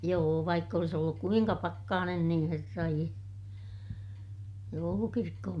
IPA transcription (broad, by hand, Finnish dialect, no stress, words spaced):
joː ʋɑikː olis olːuk kuiŋkɑ pɑkːɑːnen nĩː herːɑ ie joulukirkːohom